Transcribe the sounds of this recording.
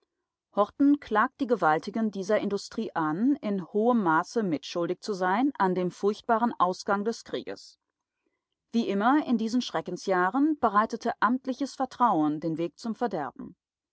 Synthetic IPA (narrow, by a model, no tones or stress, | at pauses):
hɔʁtn̩kʰl̥aːk̚t̚d̥iːɡəvaltʰɪɡəndiːzɐʔɪndʊstʁ̥iːʔanɪnhoːəmːaːsəmɪtʃʊldɪçt͡suzaɪnʔandeːmfʊɐçt̚b̥aːʁənʔaʊsɡ̥aŋdɛskʁ̥ḭːɡə̰s | v̥iːʔɪmɐɪndiːzn̩ʃʁ̥ɛkn̩sjaːʁənb̥əʁaɪtətʰəʔamtlɪçəsfɛɐtʁ̥aʊəndeːnveːk̚t͡sʊmfɛɐdɛɐb̚m̩